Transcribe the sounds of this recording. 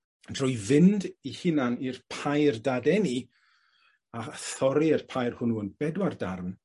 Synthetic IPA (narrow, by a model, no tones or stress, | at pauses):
d̥rʊjvɪndihɪnanirpʰajrdadɛni | aθɔɾiɪrpʰajrhʊnuənb̥ɛdwardarm